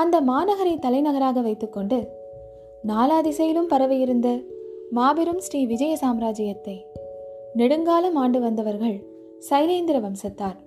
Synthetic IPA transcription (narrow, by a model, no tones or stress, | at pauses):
ɐnd̪ɐmaːnɐɣɐɾɐɪt̪ːɐlɐɪnɐɣɐɾaːɣɐʋɐɪt̪ːɯkːɔɳɖɯ | naːlaːðɪsɐjɪlɯmpɐɾɐʋɐjɪɾɯnd̪ɐmaːbɛɾɯmsʈiːʋɪd͡ʒɐjɐsaːmɾaːd͡ʒɪjɐt̪ːɐɪ | nɛɽɯŋɡaːlɐmaːɳɖɯʋɐnd̪ɐʋɐɾɣɐɭ | sɐɪleːnd̪ɪɾɐʋɐmsɐt̪ːaːɾ